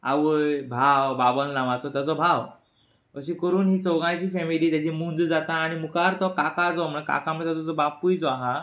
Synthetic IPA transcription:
a̰ʋəjbʱawbabəlnãʋat͡sɔt̪jat͡sɔbʱaʋ | əɕĩkəɾuːnɦiːt͡sɔɡãjt͡ɕiːfɛmiliːt̪jat͡ɕimund͡zd͡zat̪aːɽ̃imukaɾt̪ɔkakad͡zɔm̤əɳka̰kaməɽt̪at͡sɔt͡sɔbapuːjd͡zɔaɦa

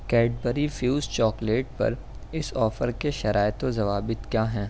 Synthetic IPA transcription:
kɛːɖ̚bəɾifjuːzt͡ʃɔːkleːʈ̚pɐ̰ɾ | ɪsɔːfəɾkeʃɐɾʔaːɪt̪õzɐʋaːbɪt̪kjaːɦɛ̃ː

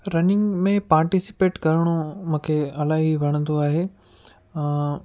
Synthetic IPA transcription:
ɾɐnɪ̃ŋɡmẽpaːɾʈisɪ̥peːʈkɐɾəɽ̃omũːkʰeɐlaːɦiʋɐɽ̃ə̃nd̪oaːɦẽː

